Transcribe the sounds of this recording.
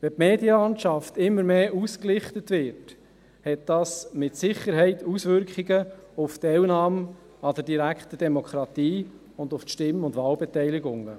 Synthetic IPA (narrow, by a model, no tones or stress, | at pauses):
ʋɛpmeːdiəlɑntʃɑftɪmːəɾmeːʔusklɪχtətvɪɾt | hɛt̚d̥ɑːsmɪtsɪχːəɾɦɛɪtusʋʏɾkʰχiɡəʊftɛlnɑːm | ɑd̪əɾdiɾækχt̪əd̥ɛmokχɾɑtiː | ʊndʊfʃtɪmʊndvɑːlbɛtɛjlɪɡʊŋə̰